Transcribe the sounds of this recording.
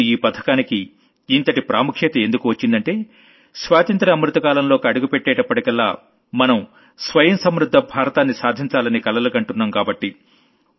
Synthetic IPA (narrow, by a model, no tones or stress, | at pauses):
iːpɐt̪ʰɐ̥kaːnikiː | nt̪ɐʈipɾa̰ːmukʰjɐt̪ɐend̪ukuʋɐt͡ʃːind̪ɐɳʈe̞ː | sʋaːt̪ɐnt̪ɾɐːmɾut̪ɐkaːlɐmlo̞ːkiɐɽuɡupeʈːɛːʈɐpːɐʈikɐlːaː | mɐnɐm | sʋɐjɐmsɐmɾud̪ʱːɐbʱaːɾɐt̪aːnːisaːd̪ʱiɲt͡ʃaːlɐnikɐlɐlukɐɳʈunːaːmkaːbɐʈːi